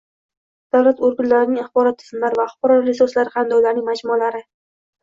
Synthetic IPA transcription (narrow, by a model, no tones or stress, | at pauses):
d̪̥awlat̪oɾɡʲʊnlaɾɪnɪŋaχbɒɾɒt̪ʰːɪ̥zmlaɾvaχʊ̥qɾɒɾɾesoslaɾɪχand̪ɒwlaɾnɪŋmad͡ʒmʊlaɾɪ